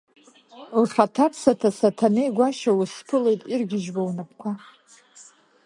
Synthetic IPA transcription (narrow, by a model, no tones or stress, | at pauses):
lχatʰapʰsatʰasatʰanejɡʷaʃawuspʰɨle̞jtʼirɡʲɪʒbawnap̚ʰkʷʰa